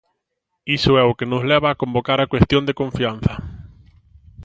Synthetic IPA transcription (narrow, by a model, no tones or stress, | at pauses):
isʊɛʊkenʊzlɛβaːkombokaɾakwest̪jõnd̪ekõɱfian̟θɐ